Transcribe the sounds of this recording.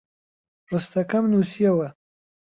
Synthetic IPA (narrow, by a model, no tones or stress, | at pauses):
ɾəst̪akamnusijawa